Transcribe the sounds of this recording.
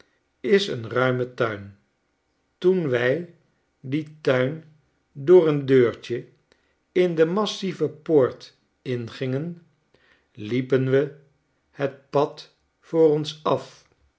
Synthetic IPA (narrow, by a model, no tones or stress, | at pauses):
ɪsə̰nrœɥmətœɥn | tunʋɛj | ditœɥn | dʊːrəndøːɹt͡ʃə | ɪndəmɑsivəpoːɹt | ɪnχɪŋən | lipənʋə | hət̚pɑt | fʊːrɔnsɑf